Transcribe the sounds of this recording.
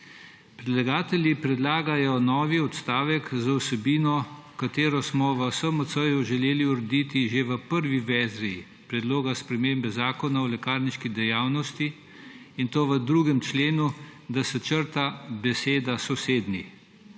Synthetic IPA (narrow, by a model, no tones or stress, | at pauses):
pɾɛd̪laɡaːt̪ɛljipɾɛd̪laːɡajɔnɔːʋiɔt̪st̪aːʋɛkzawsɛbiːnɔkat̪eːɾɔsmɔʋəsəmət̪səjuʒɛleːliuɾɛd̪it̪iʒeʋəpəɾʋiʋɛːzɾi | pɾɛd̪loːɡaspɾɛmeːmbɛzaːkɔnaɔlɛkaːɾniʃkid̪ɛjaːwnɔst̪i | int̪oːʋəd̪ɾuɡɛmt͡ʃleːnud̪asɛt͡ʃəɾt̪abɛseːd̪asɔseːd̪ni